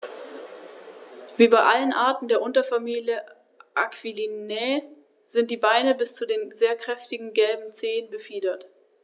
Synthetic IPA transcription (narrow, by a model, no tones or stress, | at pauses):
v̥iːbaɪʔalənʔaɐtn̩deːɐʔʊntɐfamiːljə | ʔakv̥ilinɛ | z̥ɪnt̚d̥iːbaɪnəbɪst͡sudeːnzeːɐkʁ̥ɛftɪɡŋ̩ɡɛlbm̩t͡seːənbəfiːdɐt